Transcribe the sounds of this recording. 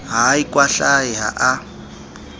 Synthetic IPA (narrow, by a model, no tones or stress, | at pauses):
ɦaikʼwaɬaɪɦa̰ʔa